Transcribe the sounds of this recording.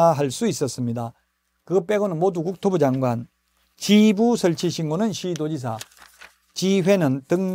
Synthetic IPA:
aɦaɭs͈uis͈ʌs͈ɯmɲida | kɯp͈e̞ɡonɯnmodukuk̚tʰobud͡ʑaŋɡwan | t͡ɕibusʰʌɭt͡ɕʰiɕʰiŋɡonɯnɕʰidod͡ʑis̬ʰa | t͡ɕiɸwe̞nɯntɯŋɲ

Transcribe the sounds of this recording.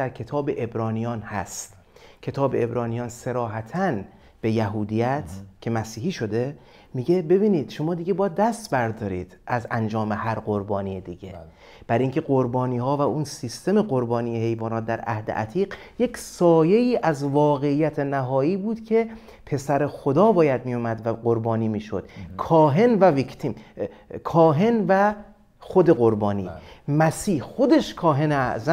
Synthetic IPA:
æɾcʰe̞t̪ʰɒːbeʔebɾɒːnijɒːnhæ̰st̪ | cʰe̞t̪ʰɒːbe̞ebɾɒːnijɒːnse̞ɾɒːɦæt̪ʰæn | b̥e̞jæɦuːd̪ijæt̪ʰcʰe̞mæsiːhiːʃo̞d̪e̞ | miɟebe̞biːniːd̪̥ʃo̞mɒːd̪iɡe̞bɒjæd̪̚ːæst̪bæɾd̪ɒːɾiːd̪̥ʔæzænd͡ʒɒːme̞hæɾɢo̞ɾbɒːniːjed̪iɟḛ | b̥æɾiːŋcʰe̞ɢoɾbɒːniːhɒːvæunsist̪e̞meɢoɾbɒːniːjehe̞jvɒːnɒːt̪̚d̪æɾæ̰hd̪ḛʔæ̰t̪ʰiːɢ | jecsɒːje̞iːʔæzvɒːɣe̞ijːæt̪ʰenæɦɒːiːbuːd̪̥cʰe̞ | pʰe̞sæɾexod̪ɒːbɒːjæd̪̚mijomæd̪væqoɾbɒːniːmiːʃo̰d̪̥kʰɒːɦe̞nvævikʰt̪ʰiːm | kʰɒːɦe̞nvæ | xod̪e̞ɣo̞ɾbɒːniːmæsiːhxo̞d̪e̞ʃkʰɒːɦe̞neæzæ

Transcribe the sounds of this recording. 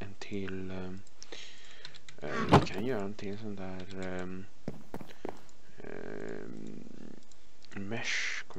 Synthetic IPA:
ɛnt̪ʰɪl | d̪ɪkʰanjœːɾannt̪ʰɪŋɛnsɔnd̪æːɾ | mɛʂ | kʰɔ

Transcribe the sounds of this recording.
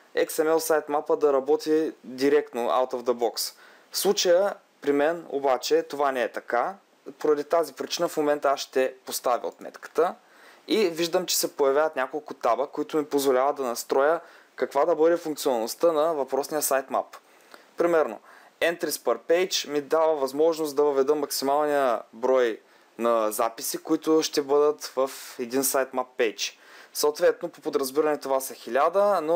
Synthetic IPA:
ɛ̰ksɛmɛlˠsajt̪mapəd̪ɐɾɐbɔt̪id̪iɾɛk̚t̪noʔa̰wt̪ovd̪əbɔks | fslˠut͡ʃəjə | pɾimɛno̰bat͡ʃɛt̪ovanɛɛt̪ɐka | poɾɐd̪it̪azipɾit͡ʃinəfmomɛnt̪əaʃt̪ɛpost̪avʲḭo̰t̪mɛ̰t̪kə̥t̪ə | iviʒd̪əmt͡ʃɛ̥sɛpojɐvʲjavət̪nʲakolˠkʊt̪abəkːoit̪ʊmipozvolʲavəd̪ɐnɐst̪ɾɔjə | kɐkvad̪ɐbɤd̪ɛfuŋk̚t̪sionnost̪ənɐvɐpɾɔsnijəsajt̪ma̰p | pɾimɛɾno̰ | ɛnt̪ɾispəɾpɛjt͡ʃmid̪avəvɐzmɔʒnost̪d̪ɐvəvɛd̪əmːɐksimalˠnijəbɾɔj | nɐzapisikoit̪ʊʃt̪ɛbɤd̪ət̪vɐfɛd̪insajt̪mapːɛjt͡ʃ | sɐwt̪vɛt̪nopopod̪ɾɐzbiɾɐnɛt̪ovasɐxilʲad̪əno

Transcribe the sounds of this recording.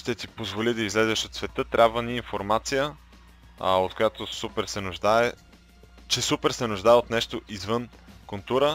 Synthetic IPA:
ʃt̪ɛt̪ipozvolid̪ɐizlɛzɛʃot̪svɛt̪ɤt̪ɾʲabvəniːnfoɾmat̪sijə | ot̪̚kojat̪osupɛɾsɛnʊʒd̪aɛ | t͡ʃɛsupɛɾsɛnʊʒd̪aɛot̪nɛʃt̪oʔizvɤnkʊlˠt̪uɾə

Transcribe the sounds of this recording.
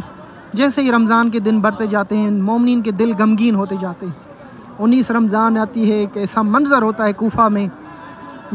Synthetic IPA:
d͡ʒɛːseeɾəmzaːnk̬ed̪ɪnbəɾt̪ed͡ʒaːt̪eɦɛ̃mɔːmniːnked̪ɪlɡɐmɡiːnɦoːt̪ed͡ʒaːt̪eɦɛ̃ | ʊnːiːsɾɐmzaːnaːt̪iɦɛkɛːsamɐnzəɾɦoːt̪aɦɛkuːfamẽː

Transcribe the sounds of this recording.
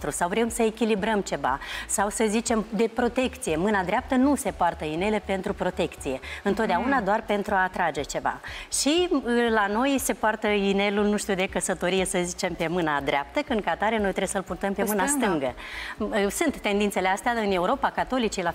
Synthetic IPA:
t̪ɾusawvɾemsəekʲilibɾəmt͡ʃe̞va̰sawsəzit͡ʃe̞md̪e̞pɾo̞t̪e̞kt̪sije̞mɨnad̪ɾeap̚t̪ənuse̞poart̪əine̞le̞pe̞nt̪ɾupɾo̞t̪e̞kt̪sije̞ɨnt̪ot̪d̪eaunad̪oarpe̞nt̪ɾuat̪ɾad͡ʒe̞t͡ʃe̞va̰ʃilano̞jse̞poart̪əine̞lulnuʃt̪iud̪e̞kəsət̪o̞ɾije̞səzit͡ʃe̞mpe̞mɨnad̪ɾeap̚t̪əkɨn̚kat̪aɾeno̞jt̪ɾeesəɨlpurt̪əmpemɨnast̪ɨŋɡə | sunt̪ːe̞nd̪int̪se̞least̪eaɨne̞uɾo̞pakat̪o̞lit͡ʃila

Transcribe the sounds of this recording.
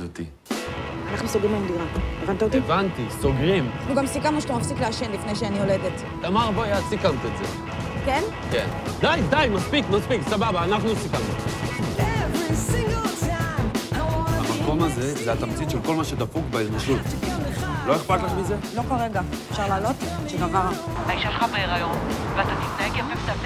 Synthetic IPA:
ot̪ḭ | anaχnusoɡʁimamd̪unaevant̪aot̪ievant̪iso̞ɡʁimaχnuɡamsikamnuʃt̪amafsikleaʃenlifnejʃeanioledet | t̪amaʁbojasikamt̪etzḛ | ken | kend̪ajd̪ajmaspikmaspiksababaːnaχnusikamnuevisɪ̃ŋɡolˠsan | amako̞maze̞zeat̪amt͡sit̪ʃelko̞lmaʃed̪afukbeiznaʃut̪ | lo̞eχpat̪laχmize̞lo̞kolʁeɡa | efʃaʁlaːlo̞t̪ʃeɡavabaiʃaʃelχamaeʁajomveat̪atit̪naeɡemeft̪a

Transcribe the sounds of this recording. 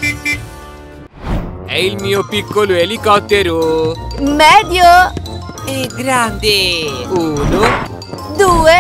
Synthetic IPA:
ɛilmiːopikːoloelikɔt̪ːeɾo | mɛd̪jo | eɡɾand̪euno | d̪uːe

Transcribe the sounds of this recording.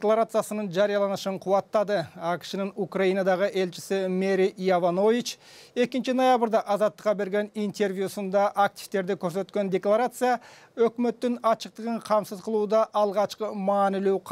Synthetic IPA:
d̪ʲklˠaɾat̪sɨjasənənʒɑɾijɑlˠɑnəʃəɴqʰuwɑt̪ːɑd̪əɑkʲɪ̥ʃɪnɪŋukrajijnad̪ɑʁəʔe̞lt͡ʃɪsɪme̞ɾijavano̞vit͡ʃ | e̞kʲɪnt͡ʃɪno̞jabəɾd̪ɑʔɑzɑt̪ːəqːɑbe̞ɾɡʲe̞nijnt̪ʰe̞rvjusənd̪ɑʔak̚t̪i̥ft̪e̞ɾd̪ekʲʰɵɾse̞t̪kʲe̞nd̪ʲe̞klˠaɾat̪sɨja | ɵkʲme̞t̪ːɪnɑʃəq̚t̪əʁəɴqʰɑmsəzqʰəlˠud̪ɑʔɑlˠʁɑʃqəmɑːnɪle̞wqʰ

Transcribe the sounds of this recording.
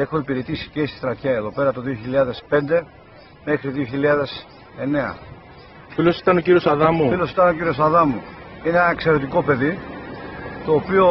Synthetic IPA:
e̞xoipiɾe̞t̪isi̥cest̪i̥t̪ɾɐt̪çɐe̞ðo̞pe̞ɾɐt̪o̞ðioçiʎɐðe̞spe̞nd̪e̞ | me̞xɾiðio̞çiʎɐðe̞s | e̞ne̞ɐ̰ | filosi̥t̪ɐnociɾio̞sɐðɐmufilo̞sit̪ɐno̞ciɾio̞sɐðɐmuinenɐekse̞ɾe̞t̪iko̞pe̞ði | t̪o̞ːpio̞

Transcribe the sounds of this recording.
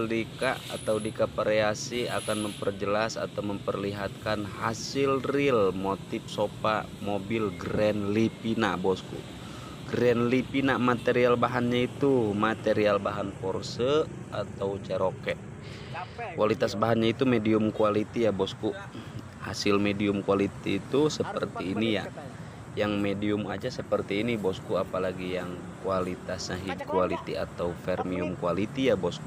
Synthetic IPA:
ldika̰ʔa̰t̪audikapəɾeasia̰kanməmpərd͡ʒəlasa̰t̪awməmpərliɦat̪̚kanɦasilrilmot̪if̚sopa | mobilɡɾɛnlipinabɔskṵʔ | ɡɾɛnlipinamat̪ɛɾialbaɦanɲait̪umat̪ɛɾialbaɦanpɔrsə | at̪aut͡ʃɛɾɔkɛʔ | kualit̪asbaɦanɲait̪umɛdiumkualit̪ijabɔskuʔ | ha̰silmɛdiumkualit̪iːt̪usəpərt̪iːnija | jaŋmɛdiumad͡ʒasəpərt̪iːnibɔskuapalaɡijaŋ | kualit̪asɲaɦikualit̪ia̰t̪aufɛrmiumkualit̪ijabɔsku

